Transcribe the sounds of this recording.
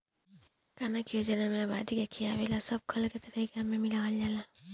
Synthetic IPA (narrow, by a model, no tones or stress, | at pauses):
kanakijod͡ʒənamẽba̰d̪ʱikekʰijaʋelasəb̚kʰəlket̪əɾiikamẽmilaɦaljala